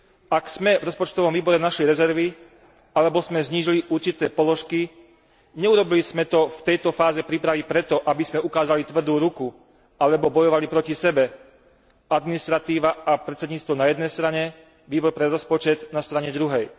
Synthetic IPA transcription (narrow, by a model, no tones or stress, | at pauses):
aksmɛvɾɔspɔt͡ʃt̪ɔʋɔmʋiːbɔɾɛnaʃliɾɛzɛɾʋi | alɛbɔzmɛzɲiːʒiliʔuɾt͡ʃit̪ɛːpɔlɔʃki | ɲɛuɾɔbilizmɛt̪ɔft̪ɛjt̪ɔfaːzɛpɾipɾaʋipɾɛt̪ɔʔabizmɛukaːzalit̪ʋr̩d̪uːɾuku | alɛbɔbɔjɔʋalipɾɔcisɛbɛ | ad̪minist̪ɾat̪iːʋaʔapɾɛt̪t͡sɛd̪ɲiːt͡st̪ʋɔnajɛd̪nɛjst̪ɾaɲɛ | ʋiːbɔɾpɾɛɾɔspɔt͡ʃɛd̪nast̪ɾaɲɛd̪ɾuɦɛj